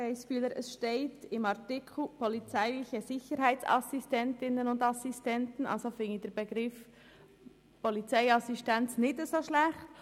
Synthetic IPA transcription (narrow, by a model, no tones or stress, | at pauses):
aɪspiːləɾɛsʃteːtɪmɑʁtɪkʰl̩pʰɔlit͡sæɪlɪçəzɪçəɾhaɪt͡sɑ̰sɪstɛntɪnənʊndɑsɪstɛntn̩ʔɑ̰lsofɪŋəd̥eːɾb̥eɡɾɪf | polit͡saɪɑsɪstɛnt͡snɪtsoːʃlɛxt